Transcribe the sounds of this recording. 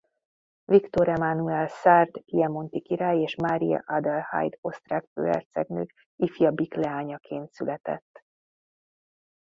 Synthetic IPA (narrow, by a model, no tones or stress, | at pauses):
vikt̪o̞ɾɛmanuɛlsaːrd̪ɡijɛmo̞nt̪ikiɾaːjeːʃmaːɾijɒ̰ʔad̪ɛlha̰jd̪o̞st̪raːkfø̰ːɛ̰rt̪sɛɡnøːk | ifjɒbiklɛaːɲɒkʰeːnt̪sylɛt̪ɛ̰t̪ː